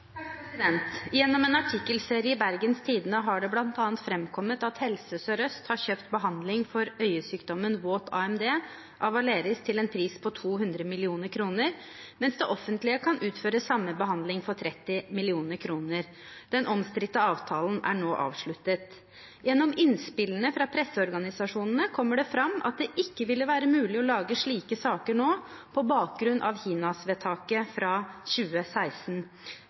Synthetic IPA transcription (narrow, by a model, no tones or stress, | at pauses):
ɪd̪ɛnt̪jɛnːɔmeːnɑʈʰɪkːəlseːɾɪəbæɾɡənst̪ʰiːd̪nəɦɑɖɛblɑnt̪ɑːnt̪fɾɛmkʰɔmət̪ɑt̪hɛlsəsɔɾœst̪hɑɾɕøːpt̪bəɦɑnd̪lɪŋfɔɾœʏəsyːkd̪ɔmənʋoːt̪ʰɑ̰ːɛmd̪eː | ʔɑʋɑleːɾɪst̪ʰɪlɛːnpʰɾiːspʰɔt̪ʰuːɦʉnd̪ɾəmɪlɪuːnəɾkʰɾuːnəɾ | mɛnsd̪ɛʔɔfənt̪lɪəkʰɑnʔʉːt̪føːɾəsɑmːəbəɦɑnd̪lɪŋfɔɾt̪ʰɾɛt̪ːɪmɪlɪuːnəɾkʰɾuːnəɾ | d̪̥ɛnʔɔmst̪ɾɪt̪ːəɑːʋt̪ʰɑːln̩ʔæ̰ɳoːʔɑ̰ːʋʂɭʉt̪ət̪ | jɛnːɔmɪnspɪlənəfɾɑpʰɾɛsːəɔɾɡɑnɪsɑʂuːnn̩əkʰɔmːəɖɛfɾɑmʔɑ̰t̪̚d̪ɛʔɪkːəʋɪlːəʋæːɾəmʉːlɪɔlɑːɡəʂɭiːkəsɑːkəɳoː | pʰɔbɑːk̚ɡɾʉnʔɑ̰ʋçiːnɑsʋeːt̪ʰɑːkəfɾɑɕʉːəsæɪsn̩